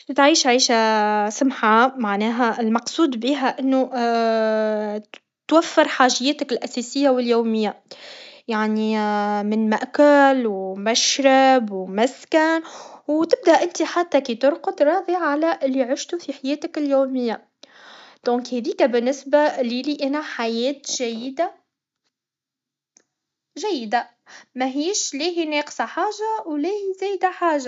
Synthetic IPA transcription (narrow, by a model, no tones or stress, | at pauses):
t̪ʕiːʃʕiːʃæsʊmħamaʕnɛːɦæɪlmɑqsˤuːd̪biːɦæʔɪnːu | t̪wafːɪɾħaːʒɪjɛːt̪ɪkɪlʔæsɛːsɪjːawɪljuːmɪjːa | jaʕnimɪnmæʔkʊlwmæʃɾabwmæskænwt̪ɪb̚d̪æʔɪnt̪iħat̪ːækit̪ʊɾqʊd̪ɾˤɑːðˤiʕːalæʔɪlːiʕɪʃt̪ufiħajɛːt̪ɪkɪljuːmɪjːa | d̪̥ɔ̃ːkhæðiːkæbɪnːɪsbaliliʔænæħajɛːt̪ʒæjɪd̪a | ʒæjːɪd̪a | mæɦiːʃliːɦinɛːqsaħaːʒawlɛːhizæːjd̪aħaːʒa